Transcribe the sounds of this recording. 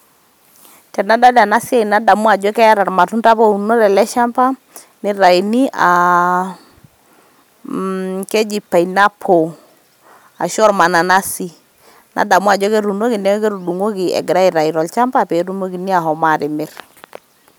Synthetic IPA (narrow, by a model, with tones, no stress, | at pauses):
tɛ˨na˦da˦da˨na˦si˦a˦i˨na˦da˨mwa˨d͡ʒɔ˦kɛ˦a˦ɾa˨ɾma˨tu˦nta˦po˦u˨no˦ɾɛ˨lɛ˦ʃa˦mpa˦ | nɪ˦ɾa˨i˨ni˦ʔa˨ | ke˦d͡ʒi˨pːa˨ina˦pʰo˨ | a̰˨ʃɔ˦ɾma˨na˨na˦si˦ | nʔa̰˨da˨mwa˨d͡ʒɔ˦ke˦ɾu˨no˦kɪ˨nɛ˦ke˦ɾu˨du˨ŋo˦kɪ˨ɛ̰˨ɡɪ˨ɾa˦ɪ˨ɾa˨i˨ɾɔ˨lt͡ʃa˦mpa˦pe˨˦ɾu˦mo˦ki˨ni˦a˨ɦɔ˨ma˨ɾɪ˨mɪ˦ɾ